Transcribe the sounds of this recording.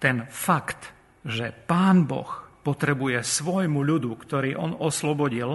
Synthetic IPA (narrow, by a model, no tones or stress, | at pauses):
t̪ɛnfakt̪ | ʒɛpaːnbɔ̰xpɔt̪ɾɛbujɛsʋɔjmuʎud̪ukt̪ɔɾiːʔɔnɔslɔbɔɟil